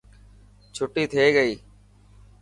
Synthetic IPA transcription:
t͡ʃʰʊʈiːt̪ʰeːɠəiː

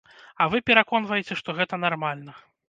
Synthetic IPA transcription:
ɐvɨpʲɛɾakɔn̪vɐjɛt͡sʲɛʂt̪ɔɣɛt̪ɐnarmalʲnɐ

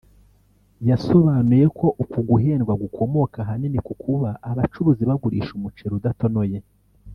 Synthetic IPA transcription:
jaso̞βaːnuje̞kʰo̞ʔukuɡuɦe̞ːnɡwaɡukʰo̞mo̞kaɦaninikukʰuβaʔːβat͡ʃuɾuziβaɡuɾḭːʃumut͡ʃeɾudato̞no̞je̞

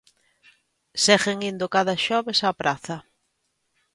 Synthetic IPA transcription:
sɛɣeŋind̪ʊkaðɐʃɔβesapɾaθɐ

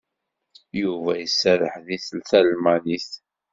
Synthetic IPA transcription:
juvæjəsːæɾəħðiθəlθælmæniθ

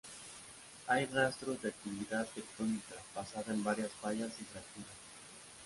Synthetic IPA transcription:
ajrast̪ɾozðak̚t̪iβiðat̪ek̚t̪onikapasaðembaɾjasfaʎazitɾat̪uɾa

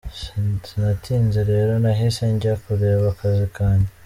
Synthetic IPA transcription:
ssinatʰiːnzeɾe̞ːɾo̞naɦiseɲɟakuɾe̞ːβakazikaːɲdi

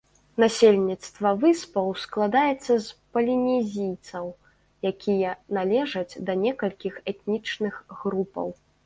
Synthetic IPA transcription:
nasʲelʲnʲit̪st̪vɐvɨspɐwsklˠad̪ajɛt̪sːɐspɐlʲinʲɛzʲijt̪sɐw | jakʲʰijɐnalʲɛʐɐd͡zʲd̪ɐnʲɛkɐlʲkʲixɛt̪̚nʲit͡ʂnɨxɣɾupɐ̰w

